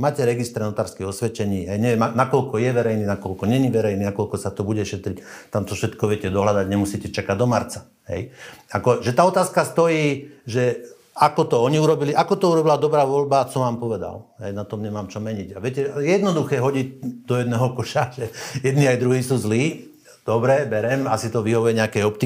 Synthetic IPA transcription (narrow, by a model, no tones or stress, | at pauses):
maːcɛɾɛɡist̪ɾɛnɔt̪aːɾskiɔsʋɛt͡ʃɛɲiːɦɛjɲɛʋjɛmanakɔlkɔjɛʋɛɾɛjniːnakɔlkɔɲɛɲiʋɛɾɛjniːnakɔlkɔsat̪ɔbuɟɛʃɛt̪ɾict̪amt̪ɔfʃɛt̪kɔʋɪɛcɛd̪ɔɦlad̪aɟɲɛmusiːcɛt͡ʃakaɟ̚d̪ɔmaɾt͡sḁ | ɦɛ̰jakɔʒɛt̪aːɔt̪aːskast̪ɔjiːʒɛ | akɔt̪ɔɔɲiuɾɔbiliʔakɔt̪ɔuɾɔbilad̪ɔbɾaːʋɔlbasɔmʋaːmpɔʋɛd̪a̰lɦɛjnat̪ɔmɲɛmaːmt͡ʃɔmɛɲiɟaʋɛcɛjɛjɛd̪nɔd̪uxɛːɦɔɟiɟd̪ɔjɛd̪nɛːɦɔkɔʃaʒɛjɛd̪niːajd̪ɾuɦiːsuːzliː | d̪̥ɔbɾɛbɛɾɛmasit̪ɔʋiɦɔʋujɛɲɛakɛjɔpt̪i